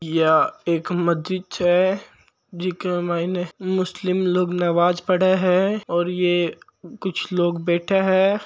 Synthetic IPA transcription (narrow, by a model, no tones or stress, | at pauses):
jaeːkmɐd̪ʱɪtɦɛ | d͡ʒikemaːinemʊslɪmloːɡnɐʋaːzpɐɽeɦɛ̃ɔːɾje | kʊt͡ʃʰloːɡbɛːʈʰeɦɛː